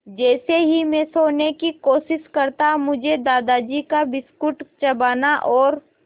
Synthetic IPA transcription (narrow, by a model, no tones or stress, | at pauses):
d͡ʒɛːseɦimẽsoːnekikoːʃɪʃkɐɾt̪amʊd͡ʒʱed̪aːd̪ad͡ʒikabɪskʊʈt͡ʃɐbaːnaʔɔːɾ